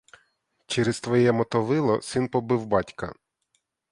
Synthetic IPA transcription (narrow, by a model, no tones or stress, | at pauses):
t͡ʃɛɾest̪ʋɔjɛmɔt̪ɔʋɪlˠɔ̰sɪnpɔbɪwbɑtʲkɐ̰